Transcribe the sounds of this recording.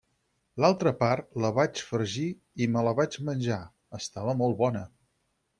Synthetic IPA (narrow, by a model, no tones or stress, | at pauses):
lalˠt̪ɾəpart̪ləβat͡ʃfəɾʒi | imələβad͡ʒmənʲʒa | əst̪aβəmɔlˠβɔnə